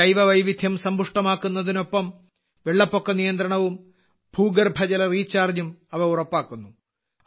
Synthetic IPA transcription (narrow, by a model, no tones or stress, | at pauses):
ɐjʋɐʋɐjʋid̪ʱjɐmsɐmbʱuʂʈɐmaːkːunːɐðino̞pːɐm | ʋeɭːɐpːo̞kːɐnijɐnd̪ɾɐɳɐʋum | bʱuːɡɐrbʱɐd͡ʑɐlɐriːt͡ɕːaːrɲumɐʋɐurɐpːaːkːunːu